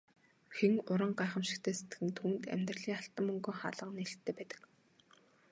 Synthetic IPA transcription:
xeŋʊɾə̆ɴɢaːχə̆mʃɪ̥̆kt̪ʰeːse̥t̪ɡɘ̆nt̪ʰuːnt̪æ̰mʲt̪rə̆ɮiːŋaɬt̪ə̆mːɵŋɡɵ̆ŋχa̰ɮə̆qneɬt̪ʰːeːpæːt̪ə̥̆k

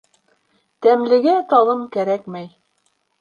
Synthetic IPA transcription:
t̪æmlɘ̆ɡæt̪ɑlˠɤmkæɾækmæj

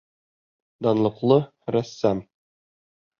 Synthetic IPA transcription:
d̪ɒnlˠɤ̆qlˠɤ | ɾæsːæm

